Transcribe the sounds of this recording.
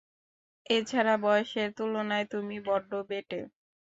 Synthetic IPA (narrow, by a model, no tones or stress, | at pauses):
et͡ɕʰaɾabɔoʃeɾt̪ulonaet̪umibɔɖʱobeʈe